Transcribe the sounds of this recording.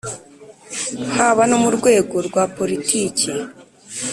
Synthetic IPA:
haβanomuɾɡwe̞ːɡo̞ɾɡwaːpo̞ɾitʰiːci

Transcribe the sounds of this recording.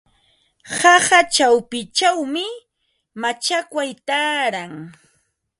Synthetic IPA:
hɑhat͡ʃawpɪt͡ʃawmɪ | mat͡ʃakʷwajt̪aːɾaŋ

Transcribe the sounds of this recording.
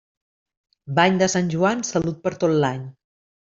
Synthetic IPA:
baɲd̪əsanʲʒuansəlut̪̚pəɾt̪ot̪laɲ

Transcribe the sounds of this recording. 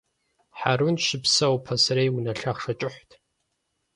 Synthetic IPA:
ħarunʃɪpsɐwpʰɐsɐɾejwunɐɬaχʂɐt͡ʃʼɪħʷtʰ

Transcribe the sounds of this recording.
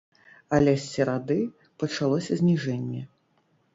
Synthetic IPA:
alʲɛsʲːɛɾad̪ɨ | pɐt͡ʂalˠɔsʲɐzʲnʲiʐɛnʲːɛ

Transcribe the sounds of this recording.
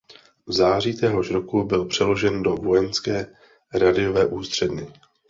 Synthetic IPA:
vzaːr̝iːt̪ɛɦo̞ʃɾo̞kubɪlpr̥ɛlo̞ʒɛndo̞vo̞jɛnskɛː | ɾadɪjo̞vɛːʔuːst̪r̝̥ɛdɲɛ

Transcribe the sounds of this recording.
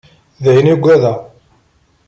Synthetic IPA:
ðhiniɡʷːæðæ

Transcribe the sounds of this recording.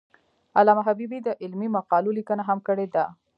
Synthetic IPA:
alamaɦabibid̪əʔɪlmimaqɑlolikənaɦamkəɽed̪a

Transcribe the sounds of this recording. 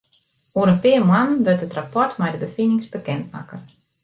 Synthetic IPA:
uəɾənpɪəmwanʋøtətrapɔɹtmɛjdəbəfinɪŋsbəkɛntma̰kə

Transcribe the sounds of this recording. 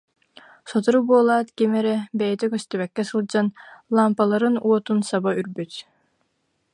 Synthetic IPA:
sɔt̪uɾubuɔlˠaːt̪kimɛɾɛbɛjɛt̪ɛkœst̪ɛβɛkːɛsɯlˠd͡ʑanlˠampalˠaɾɯnuɔt̪unsabayɾbyt̪

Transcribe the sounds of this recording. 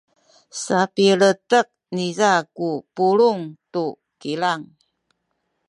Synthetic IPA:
sapiɭətək̚nizakupuɭuŋtu | kilaŋ

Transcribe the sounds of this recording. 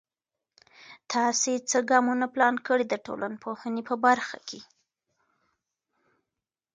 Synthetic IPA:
t̪ʰɑset͡səɡɑmunaplɑnkəɽid̪əʈo̰lʔanpʰohənepəbaɾxa̰kʰe

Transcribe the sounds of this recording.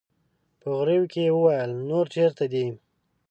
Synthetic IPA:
pəɣɾewkejewəwajəlnoɾt͡ʃeɾt̪ad̪i

